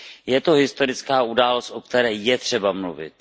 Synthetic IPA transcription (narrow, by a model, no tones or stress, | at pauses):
jɛt̪oɦɪst̪o̞ɾɪt͡skaːʔudaːlost̪ʔok̚t̪ɛɾɛːjɛt̪r̝̥ɛbamluvɪ̰t̪